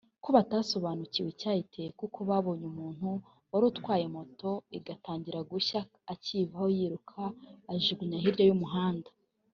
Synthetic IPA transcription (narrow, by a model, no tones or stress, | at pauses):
koβataːso̞βaːnuciwecaːite̞jekukoβaːβo̞ɲumuːn̥hu | waɾutkwaːjemo̞to̞iɡataːɲɟiɾaɡuçaː | civahojiɾukʰaːʒiɡuɲaɦiɾɟo̞jumuɦaːndḁ